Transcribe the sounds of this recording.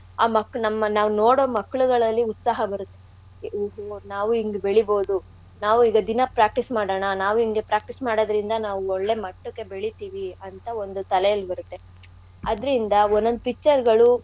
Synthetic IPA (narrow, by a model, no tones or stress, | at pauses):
aːmɐkɭnɐmːɐnaːʋunoːɽoːmɐkːɐɭuɡɐɭɐlːiut̪saːɦɐbɐɾut̪ːe̞ | oɦonaːʋuiŋɡebeɭibo̞ːd̪u | naːʋuiːɡɐd̪inɐpɾaːk̚ʈismaːɽɐːɳɐnaːʋuiŋɡe̞pɾaːk̚ʈismaːɽod̪ɐɾind̪ɐnaːʋuɔɭːe̞mɐʈːukːe̞beɭit̪iːʋiɐnt̪ɐo̞nd̪ut̪ɐlejɐlːibɐɾut̪ːe̞ | ɐd̪ɐɾind̪ɐonːond̪upikːt͡ʃːɐɾɡɐɭu